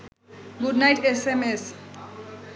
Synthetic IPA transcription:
ɡuɖnajʈesemes

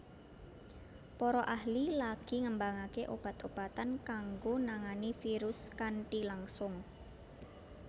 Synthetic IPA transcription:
pɔɾɔʔahlilaɡ̥i̤ŋəmbaŋakeʔob̥a̤t̪ob̥a̤t̪ankaŋɡonaŋanifiɾʊskaɳʈilaŋsʊŋ

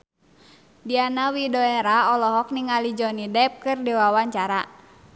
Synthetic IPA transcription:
dianawidɔɛɾaɔlɔɦɔk̚niŋalid͡ʒɔnidɛp̚kɨrdiwawaɲt͡ʃaɾa

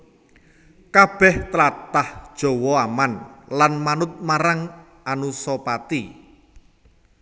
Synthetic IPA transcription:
kab̥ɛht̪əlat̪ahd̥ʒ̥o̤wɔamanlanmanʊt̪̚maɾaŋ | anusɔpat̪i

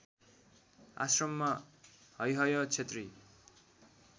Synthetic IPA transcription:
a̰srʌmːʌhʌjɦʌjot͡sʰet̪ri

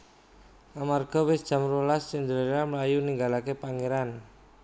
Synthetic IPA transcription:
ʔamarɡ̥ɔ̤wɪsd̥ʒ̥a̤mɾulast͡ʃɪnd̪əɾeɾaməlajuniŋɡalakepaŋeɾan

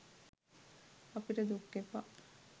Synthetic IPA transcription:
ɐpiʈəd̪ukːepa̰

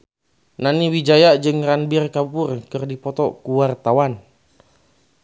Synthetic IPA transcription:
naniwid͡ʒajad͡ʒɨŋranbirkaupʊrkɨrdipɔt̪ɔkuwart̪awan

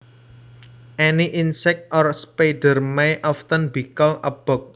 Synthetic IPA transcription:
ʔɛniʔinsɛk̚t̪̚ʔɔrspeɖə̤rmejʔɔft̪ənbikalʔə̰b̥ɔ̤k̚

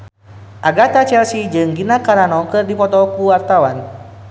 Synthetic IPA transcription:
ʔaɡat̪at͡ʃɛrsid͡ʒɨŋɡinakaɾanɔkɨrdipɔt̪ɔkuwart̪awan

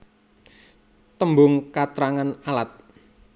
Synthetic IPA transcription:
t̪əmbʊŋkat̪ɾaŋanalat̪̚

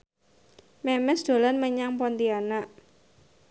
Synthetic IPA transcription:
mɛmɛsd̪̥o̤lanməɲaŋpɔnt̪iana

